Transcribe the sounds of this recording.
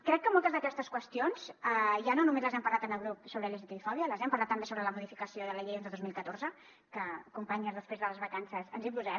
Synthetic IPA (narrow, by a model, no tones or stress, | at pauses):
kɾɛkːəmolˠt̪əzðəkɛst̪əskwəst̪ionsz̥əʒanonumezləzɛmpɐɾlat̪ənəɣɾup̚soβɾeʎezət̪iifɔβjələzɛmpəɾlat̪ːəmbesoβɾələmuðifikəsioðələʎejent̪ɾəðozmilˠkət̪oɾzə | kəkumpaɲəzðəspɾezðələzβəkansəsənzipuzɛ